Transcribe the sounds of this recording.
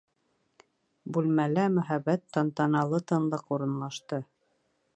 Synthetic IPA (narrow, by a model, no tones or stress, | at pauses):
bʉlmælæmɵ̆ɦæβæt̪ːɑnt̪ɑnɑlˠɤt̪ɤ̆nlˠɤquɾɤ̆nlˠɑʃt̪ɤ